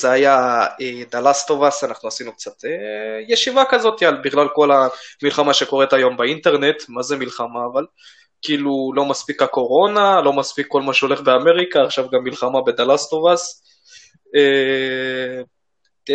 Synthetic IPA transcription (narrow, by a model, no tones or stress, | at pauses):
z̥eajaed̪alast̪o̞vasanaχnuasinuk̚t͡sat̪ejeʃivakazo̞t̪ialbiɡlalko̞lamilχamaʃe̞ko̞ʁet̪ajo̞mbaint̪eʁne̞t̪mazemilχamaːval | kiːlulo̞maspikako̞ʁo̞nalo̞maspikːo̞lmaʃeo̞le̞χbe̞ame̞ʁikaːχʃavɡamːilχamabe̞d̪alast̪ovas | e